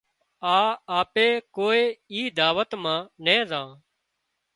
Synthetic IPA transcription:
aːaːpeːkoːeːiːd̪aːʋət̪mãːnẽːzãː

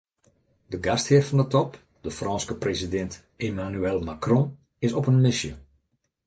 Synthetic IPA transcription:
dəɡasthɪːrfɔndətɔp | dəfrɔːnskəprezidɛnt | emanyɛlˠmakrɔ̃ː | ɪsɔpənmɪsjə

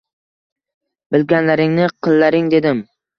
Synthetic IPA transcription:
bɪlɡʲanlaɾɪŋnɪqʰɨlˠːaɾɪŋd̪e̞d̪ɪm

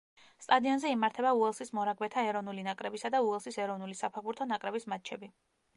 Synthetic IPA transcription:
st̪ʼad̪iɔnzɛimaɾt̪ʰɛbauɛlˠsismɔɾaɡwɛt̪ʰaɛɾɔvnulinakʼɾɛbisad̪auɛlˠsisɛɾɔvnulisapʰɛʁbuɾt̪ʰɔnakʼɾɛbismat̪̚t͡ʃʰɛbi

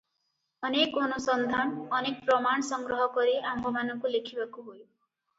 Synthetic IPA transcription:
ɔnekɔnusɔnd̪ʱanɔnek̚pɾɔmaɳ̃ɔsɔŋɡɾɔɦɔkɔɾiambʱɔmanɔŋkulekʰibakuɦoj

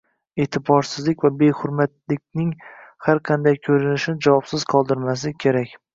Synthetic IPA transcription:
et̪ʰɪbɒɾsɪzlɪkʲvabe̞hʊɾmat̪lɪkʲnɪŋhaɾqʰɑnd̪ajkʰɵɾɪnɪʃɪnɪd͡ʒavɒpsɪz̥qʰɒlˠd̪ɪɾmas̬ɪkʲʰe̞ɾakʲ

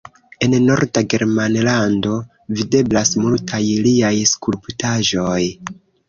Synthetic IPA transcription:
e̞nno̞ɾdaɡe̞ɾmanlando̞ | vide̞blasmultʰajliajskulptaʒo̞j

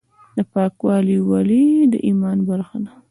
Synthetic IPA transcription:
d̪əpɑkwɑliwalid̪ə̰ʔimɑnbaɾxana

